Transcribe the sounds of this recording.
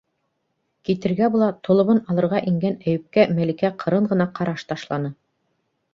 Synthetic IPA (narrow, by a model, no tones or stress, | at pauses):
kit̪ɘ̆ɾɡæbulˠɑt̪ʰŏlˠɤ̆βɤnɑlˠɤ̆ɾʁɑʔiŋɡænæjɘ̆p̚kæmælikæqʰɤ̆ɾɤɴʁɤ̆nɑqʰɑɾɑʃt̪ɑʃlˠɑnɤ